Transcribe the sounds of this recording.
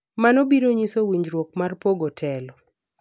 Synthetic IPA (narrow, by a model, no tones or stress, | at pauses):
manɔbiɾoɲisowiɲd͡ʒɾwok̚marpoɡɔtʰɛlɔ